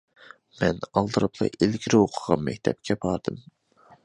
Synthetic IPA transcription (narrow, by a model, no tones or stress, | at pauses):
mɛnɑlˠd̪ɨɾɨpʰlˠɑ̰ʔelɡʲiɾɪoqʰəʁɑnmɛ̰kʲt̪ʰɛp̚kʲʰɛbɑɾd̪ɨm